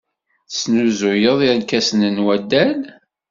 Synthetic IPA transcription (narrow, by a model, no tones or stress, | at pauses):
snuzʊjəðˤiɾnkːæsənənwæd̪ːæl